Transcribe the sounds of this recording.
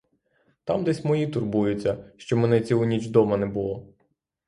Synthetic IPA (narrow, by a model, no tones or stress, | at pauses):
t̪ɑmd̪ɛsʲmɔjit̪ʊrbujʊt͡sʲːɐʃt͡ʃɔmɛnɛt͡sʲiɦɔnʲit͡ʃd̪ɔmɐnɛbʊlˠɔ